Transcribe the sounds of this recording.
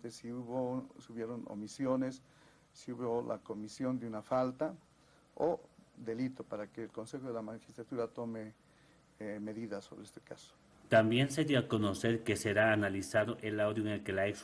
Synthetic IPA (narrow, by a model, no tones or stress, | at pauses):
t̪esiuβosuβjeɾono̰misjo̞ne̞sː | iuβola̰ko̞misjo̞nd̪eunafalt̪a | od̪e̞lit̪o̞paɾakeːlko̞nse̞xoðelamaxi̥st̪ɾat̪uɾat̪o̞me | me̞ðiðasːo̞βɾeest̪eka̰so̥ | t̪ambje̞nseðiakonoseɾkeseɾaːnalisaðoʔelawd̪joeŋelkelaeks